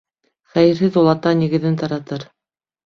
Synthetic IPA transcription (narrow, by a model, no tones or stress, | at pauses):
χæjɘ̆ɾɦɘðulˠɑt̪ɑniɣɘ̆ðɘnt̪ɑɾɑt̪ɤɾ